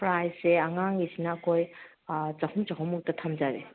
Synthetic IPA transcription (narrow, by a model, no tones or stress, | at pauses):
pɾajsseɐŋaŋisinɐːkʰoj | t͡ʃɐhumt͡ʃɐɦumuk̚tɐtʰɐmd͡ʒaɾe